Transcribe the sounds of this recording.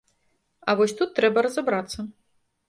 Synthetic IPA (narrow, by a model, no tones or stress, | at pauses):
ɐvɔsʲt̪ut̪ːɾɛbɐɾɐzabɾat̪sːɐ